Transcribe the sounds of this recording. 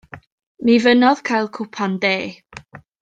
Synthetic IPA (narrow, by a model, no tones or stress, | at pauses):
mivənɔð̥kʰajlˠkʰʊpʰandeː